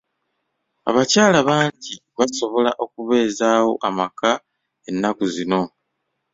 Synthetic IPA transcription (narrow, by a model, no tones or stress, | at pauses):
a̰βacaːlaβaːɲɟi | βaso̞βo̞laʔo̞kuβe̞ːzaːwo̞̰ʔamaka | e̞nːakuzino̞